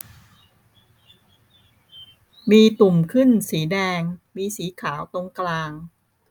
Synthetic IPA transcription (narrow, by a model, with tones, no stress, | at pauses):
miː˧t̪u˨˩mkʰɯ˥˩nsiː˩˦dɛː˧ŋmiː˧siː˩˦kʰaː˩˦wt̪o˧ŋklaː˧ŋ